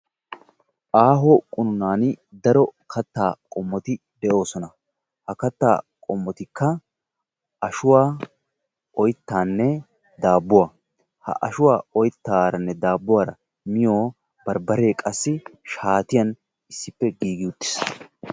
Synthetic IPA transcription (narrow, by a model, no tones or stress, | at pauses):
ʔaːɦɔkʼʊnʊnaːnd̪ɐɾɔkʰɐt̪ːaːkʼɔmːɔt̪ɪ | d̪ɛʔo̞ːsɔnɐ | hɐkɐt̪ːa̰ːkʼɔmːɔt̪ɪkːɐ | ʔɐʃʊwaː | ɔjt̪ːaːnːɛ | d̪aːbːʊwaː | hɐ̰ʔɐʃʊwaːɔjt̪ːaːɾɐnːɛd̪aːbːʊwaːɾɐ̰ | mɪjo̞ː | bɐɾbɐɾe̞ːkʼɐsːɪʃaːt̪ɪjɐn | ɪsːɪpːɛɡiːɡɪʊt̪ːɪ̥s